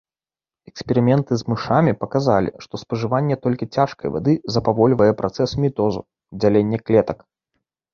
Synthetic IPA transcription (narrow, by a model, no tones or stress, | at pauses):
ɛkspʲɛɾɨmʲɛnt̪ɨzmɨʂamʲipɐkazalʲḭʂt̪ɔspɐʐɨvanʲːɛt̪ɔlʲkʲit͡sʲaʂkɐ̰jva̰d̪ɨzɐpavɔlʲvɐjɛpɾʔat̪sɛsmʲit̪ɔzṵ | d͡zʲalʲenʲːɛklʲɛt̪ɐk